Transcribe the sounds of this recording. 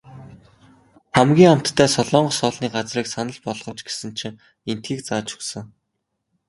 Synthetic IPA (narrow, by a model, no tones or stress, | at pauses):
χæmɡʲiːŋam̥t̪ʰːæːsɔɮɔːɴɢɞ̆sɔːɮniːɢat͡sriːksanə̆ɮpɔɮʁ̥ɞ̆t͡ɕɡe̥sɘ̆nt͡ɕʰɪ̆ŋ | en̥t̪̚ɡiːk̚t͡saːt͡ɕɵ̥ksə̆ŋ